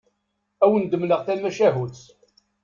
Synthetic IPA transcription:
æwənd̪əmləʁθæmæʃæɦuθ

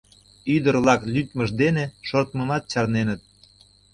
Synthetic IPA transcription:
yd̪əɾlɑklʲyt̪məʒd̪eneʃort̪məmɑt̪̚t͡ɕɑrnenə̆t̪̚

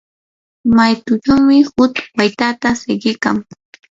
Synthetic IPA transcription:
majt̪ʊʈ͡ʂawmɪhʊt̪wajt̪at̪asɪɢɪka̰ŋ

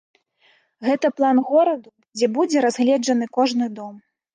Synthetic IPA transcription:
ɣɛt̪ɐplˠanɣɔɾɐd̪u | d͡zʲɛbud͡zʲɛɾazɣlʲɛd͡ʐɐn̪ɨkɔʐnɨd̪ɔm

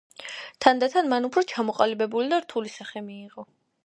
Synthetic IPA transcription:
t̪ʰand̪at̪ʰanmanupʰɾɔt͡ʃʰamɔqʼalibɛbulid̪aɾt̪ʰulisaχɛmiːqʼɔ

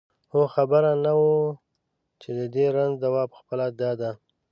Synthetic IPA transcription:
xoxabəɾanawo | t͡ʃed̪əd̪eɾanzd̪awɑpə̥xpəlad̪ɑd̪a

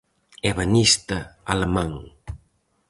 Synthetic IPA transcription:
ɛβanist̪ɐalemãŋ

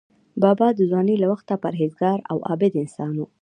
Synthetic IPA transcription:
bɑbɑd̪əzwɑnelawaxt̪apaɾɦezɡɑɾa̰wʔɑ̰bɪd̪ɪnsɑnwu

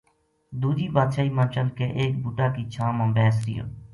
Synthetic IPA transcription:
d̪uːd͡ʒiːbaːd̪ʃaːiːmãːt͡ʃəlkeːʔeːk̚bʊʈaːkiːt͡ʃʰãːmãːbɛːsɾɪ̰jo̰ː

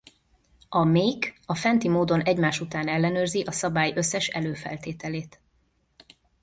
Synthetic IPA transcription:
ɒmeːkɒfɛnt̪imoːd̪o̞nɛɟmaːʃut̪aːnɛlːɛnøːrziʔɒsɒbaːjø̞sːɛʃɛ̰løːfɛ̰lt̪eːt̪ɛleːt̪

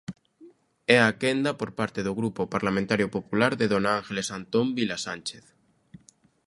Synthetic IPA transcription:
ɛakend̪apoɾpaɾt̪eðoɣɾupopaɾlamẽnt̪aɾjopopulaɾðeðonaaŋxelesant̪ombilasanʲt͡ʃeθ

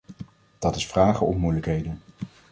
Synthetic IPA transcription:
d̥ɑtɪsfraːχəɔ̰mmujləkɦejdən

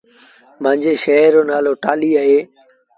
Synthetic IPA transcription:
mãːɲd͡ʑeːʃɛɦəɾoːnaːloːʈaːliːaːɦeː

